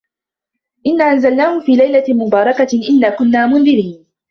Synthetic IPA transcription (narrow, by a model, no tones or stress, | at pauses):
ʔɪnːaːʔanzalnaːhʊfiːlajlamʊbɑːɾˤɑkaʔɪnːaːkʊnːaːmʊnðɪɾiːn